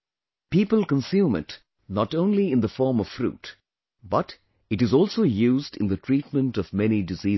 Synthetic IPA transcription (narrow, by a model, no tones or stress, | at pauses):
piːpəlˠkə̃nsjũːmɪ̰t | nɔtõʊ̃nliɪ̃nðəfɔːɹmɔv̥fɾṵːt | bʌt | ɨʈɨzɔːlˠsoːjuːzdɪ̰̃nd̪ətʰɹiːt̚mə̃ntɔvmɛnidɨziː